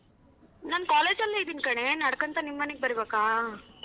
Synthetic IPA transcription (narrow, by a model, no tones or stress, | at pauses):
naːnkaːleːd͡ʒɐlːeid̪iːnkɐɳenɐɽɐkɐnt̪ɐnimːɐneɡ̚bɐɾibeːkaː